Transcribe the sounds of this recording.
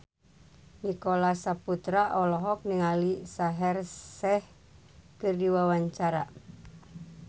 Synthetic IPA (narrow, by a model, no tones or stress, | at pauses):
nikolasaput̪ɾaʔɔlɔɦɔk̚niŋalisaɦɛrsɛh | kɨrdiwawaɲt͡ʃaɾa̰